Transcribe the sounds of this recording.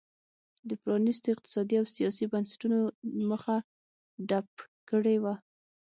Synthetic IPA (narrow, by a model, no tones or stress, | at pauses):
d̪əpɾɑnist̪oɪq̚t̪ɪ̥sɑd̪iawsijɑsibansɪ̥ʈunoməxa | ɖap̚ | kəɽewa